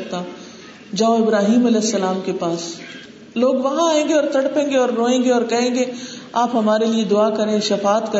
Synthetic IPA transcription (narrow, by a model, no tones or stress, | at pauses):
t̪a | d͡ʒɐ̃õɪbɾaːɦiːmɐlɛːsːɐlaːmkepaːs | loːɡʋɐɦãaːẽːŋɡeɔːɾt̪ʰɐɽpẽːŋɡeɔːɾːoːẽːŋɡeɔːɾkɐɦẽːŋɡeaːpɦɐmaːɾelied̪ʊakɐɾẽʃɐfaːt̪kɐ